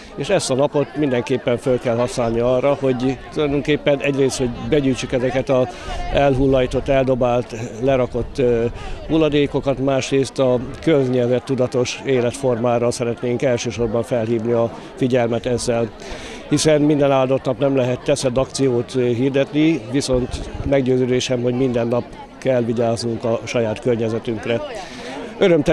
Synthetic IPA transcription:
eːʃɛst̪ɒnɒpo̞t̪mind̪ɛŋkeːpːɛɱfølkɛlɦɒsnaːlniɒːrːɒho̞ɟt̪ulɒjd̪o̞ŋkeːpːɛnʔɛɟreːst̪ho̞ɟbɛɟyːjt͡ʃykɛzɛkɛt̪ɒɛlɦulːɒjit̪o̞t̪ːɛld̪o̞baːlt̪lɛɾɒko̞t̪ːhulːɒd̪eːko̞kɒt̪maːʃreːst̪ɒkøzɲɛzɛt̪ːud̪ɒt̪o̞ʃeːlɛt̪fo̞rmaːɾɒsɛɾɛt̪neːŋkɛlʃøːʃo̞rbɒɱfɛlɦiːvniɒ | fiɟɛlmɛt̪ɛzːɛl | hisɛnmind̪ɛnaːld̪ot̪nɒpnɛmlɛɦɛt̪ːɛsɛd̪ɒkt̪sijoːt̪ɦiːrd̪ɛt̪niʋiso̞nt̪mɛɡɟøːzøːd̪eːʃɛmho̞ɟmind̪ɛnːɒp̚ | kɛlːʋiɟaːznuŋkɒʃɒjaːt̪kørɲɛzɛt̪yŋkrɛ | øɾømt̪ɛ

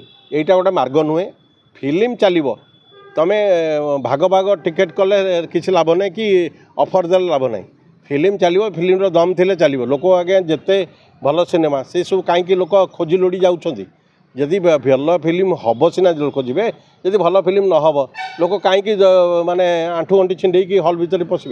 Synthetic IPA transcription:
ejʈakɔʈemaɾɡɔnue | pʰilimt͡ʃalibɔ | t̪ɔmebʱaɡɔbʱaɡɔʈikeʈkɔlekit͡ʃʰilabɔnaɦĩki | ɔpʰɔɾd̪elelabɔna̰ɦḭ̃ | pʰilimt͡ʃalibɔpʰilimɾɔd̪ɔmt̪ʰilet͡ʃalibɔlokɔaɡeãd͡ʒet̪e | bʱɔlɔsinemasesukaɦĩk̬ilokɔkʰod͡ʒʱiloɽid͡ʒawt͡ʃʰɔnt̪i | d͡ʒed̪ibʱjɔlɔpʰilimɦɔbɔsinad͡ʒilokɔd͡ʒibe | d͡ʒed̪ibʱɔlɔpʰilimnɔɦɔbɔlokɔkaɦĩkimaneaʈʰuɔɳʈit͡ʃʰiɳɖejk̬iɦɔlbʱit̪ɔɾipɔsibe

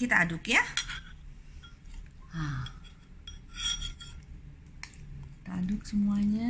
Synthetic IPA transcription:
it̪aːdʊkja | a | t̪adʊk̚səmuaɲa

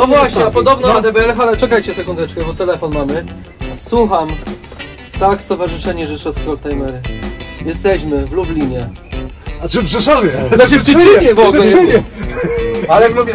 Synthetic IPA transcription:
nɔvwaɕɲɛapɔd̪ɔbnɔnad̪ɛpɛɛlxalɛt͡ʂɛkajt͡ɕɛsɛkund̪ɛt͡ʂkɛbɔt̪ɛlɛfɔnmamɘ | swuxam | t̪akst̪ɔvaʐɨʂɛɲɛʐɛʂɛskɾɔlt̪ajmɛɾɘjɛst̪ɛɕmɘvlublʲiɲɛ | t͡ʂɨpʂɛʂɔmʲɛnat͡ʃɪft̪iiɲɛvɔɡ̪ɛiɲɛ | alɛklubʲjɛ

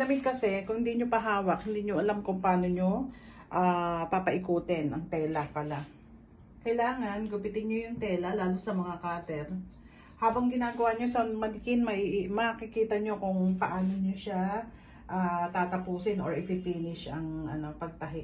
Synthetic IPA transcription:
d̪ɐmɪkɐsɛkʊŋhɪnd̪iːɲopɐɦaːwɐkhɪnd̪iːɲoʔɐlamkʊŋpaːno̞ɲo̞ | ʔaːpapɐʔɪkuːt̪ɛnʔɐŋt̪ɛːlɐpɐla | kɐjlaːŋɐnɡʊpɪt̪ɪɲɲojʊŋt̪ɛːlɐlaːlosɐmɐŋakaːt̪ɛɾ | haːbɐŋɡɪnaːɡɐwaɲo̞sɐmɐlɪkɪnmɐʔiʔmɐkɪkiːt̪ɐɲo̞kʊŋpɐʔaːno̞ɲoʃa | ʔaːt̪aːt̪ɐpuːsɪnʔo̰ɹɪpipiːnɪʃɐŋɐ̰no̞pɐɡ̚t̪ɐɦɪ

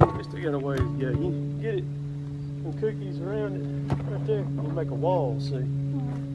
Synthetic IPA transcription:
ɨstʰɨɡɛɾəweɪjæjɨ | ɡɛɾɪt̚ | ə̃nkʰʉˑk̚ðizə˞ãʊ̃ndɨt | ədʉjəlˠmeɪkəwɔlˠsi

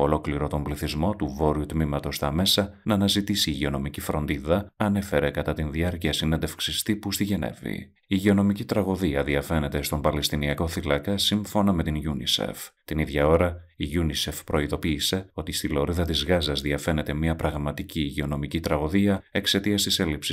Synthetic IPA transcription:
olo̞kliɾo̞t̪o̞mbliθizmo̞t̪uvo̞ɾiut̪mimɐt̪o̞st̪ɐme̞sɐnɐːnɐzit̪isiːʝeo̞no̞micifɾo̞nd̪iðɐɐne̞fe̞ɾe̞kɐt̪ɐt̪inðiɐɾciɐsinend̪e̞fksist̪ipust̪iʝe̞ne̞̰vḭ | iʝeo̞no̞micit̪ɾɐɣo̞ðiɐðiɐfe̞ne̞t̪e̞st̪o̞mbɐlest̪iniɐko̞θilɐkɐsiɱfo̞nɐme̞t̪inʝunḭsḛft̪iniðʝɐo̞ɾɐ | iʝunise̞fpɾo̞iðo̞piːse̞o̞t̪ist̪ilo̞ɾiðɐt̪izɣɐzɐzðiɐfe̞ne̞t̪e̞miɐpɾɐɣmɐt̪iciʝeo̞no̞micit̪ɾɐɣo̞ðiɐe̞kse̞t̪iɐst̪ise̞lipsi

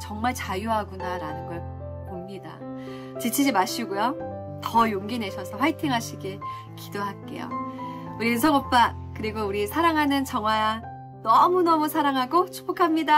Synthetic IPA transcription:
t͡ɕʌŋmaɭt͡ɕajuɦaɡunaɾanɯnɡʌɭ | pomɲida̰ | t͡ɕit͡ɕʰid͡ʑimaɕʰiɡujo | tʌjoŋɡinɦe̞ɕʰʌsʰʌɸwaitʰiŋɦaɕʰiɡe̞ | kidoɦak͈e̞̰jo̰ | uɾiɯnsʰʌŋop͈a | kɯɾiɡouɾisʰaɾaŋɦanɯnt͡ɕʌŋwaja | nʌmunʌmusʰaɾaŋɦaɡot͡ɕʰu̥p͈okʰamɲida

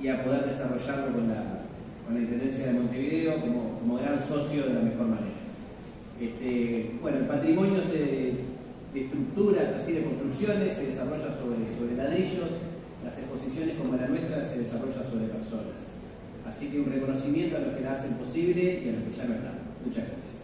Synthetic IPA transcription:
iapo̞ðeɾðesaro̞ʒaɾloko̞nla | ko̞nlaĩnt̪end̪e̞ns̬jaðemont̪e̞βiðeo̞ko̞mokomoɣɾanso̞sjoðelamexo̞ɾmanḛɾa | est̪ebwe̞noelpat̪ɾimo̞njo̞ze | d̪eeht̪ɾuk̚t̪uɾasasiðeko̞nt̪ɾuksjo̞nesːeðesaro̞ʒaso̞βɾeso̞βɾelaðɾiʒo̞s | lasehpo̞sisjo̞nehko̞moelanweht̪ɾaseð̞esaro̞ʒanso̞βɾepeɾso̞na̰s | asikeunrekono̞simje̞nt̪oalo̞kelaasempo̞siβle̞ialokeʒanoeht̪a̰mmut͡ʃaɣɾa̰sjas

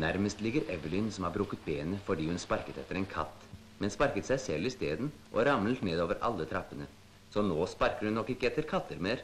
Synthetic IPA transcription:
næɾməst̪lɪɡəɾʔɛʋəlɪnsɔmhɑːɾbɾʉːkːət̪̚beːnəfɔɖiːhʉnspɑɾkət̪ɛt̪ːəɾɛnkʰɑ̰t̪ː | mɛnspɑɾkət̪sæɪsɛlːɪst̪eːd̪n | ʔɔɾɑml̩t̪neːd̪oːʋəɾʔɑ̰lːət̪ʰɾɑpːənə | sɔnoːspɑɾkəɾʉnːɔkːɪkːəɛt̪ːəɾkʰɑt̪ʰːəɾmeːɾ

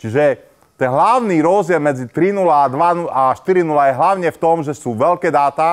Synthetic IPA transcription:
t͡ʃiʒɛ | t̪ɛnɦlaʊniːɾɔzdɪɛlmɛd͡zit̪ɾinulaːd̪ʋanuaʃt̪iɾinulajɛɦlaʊɲɛft̪ɔmʒɛsuːʋɛlkɛːd̪aːt̪a

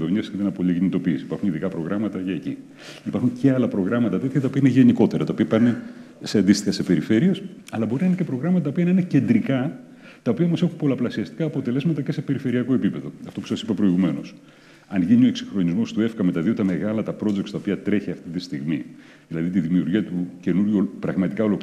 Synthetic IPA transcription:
ðovɲiɐsend̪enɐpoʎicinit̪o̞piːsi̥ːpɐɾxuniðikɐpɾo̞ɣɾɐmɐt̪ɐʝɐecḭ | ipɐɾxuɲce̞ɐlɐpɾo̞ɣɾɐmɐt̪ɐt̪e̞t̪çɐt̪ɐo̞piɐineʝe̞niko̞t̪e̞ɾɐt̪ɐoiɐpɐne | seɐnd̪ist̪ixɐse̞pe̞ɾife̞ɾie̞sɐlɐbo̞ɾinɐinecepɾo̞ɣɾɐmɐt̪ɐt̪ːopiɐnɐinece̞nd̪ɾikɐ | t̪ɐo̞piɐmɐse̞xumpo̞lɐplɐsiɐst̪i̥kɐːpo̞t̪e̞le̞zmɐt̪ɐce̞se̞pe̞ɾife̞ɾiɐko̞e̞pipe̞ðo̞ɐft̪o̞pu̥sɐsipɐpɾo̞iɣume̞no̞s | ɐnʝinio̞eksixɾo̞nizmo̞st̪ue̞fkɐme̞t̪ɐðiot̪ɐme̞ɣɐlɐt̪ɐpɾo̞d͡zekt̪st̪ɐopiɐt̪ɾe̞çiɐft̪it̪ist̪iɣmi | ðilɐðit̪iðimiuɾʝiɐt̪uce̞nuɾʝupɾɐɣmɐt̪ikɐo̞lo̞p

